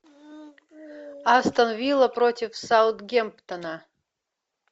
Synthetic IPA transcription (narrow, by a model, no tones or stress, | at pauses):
ast̪ɐnvʲilˠəprotʲifsawt̪ɡʲempt̪ʰɐna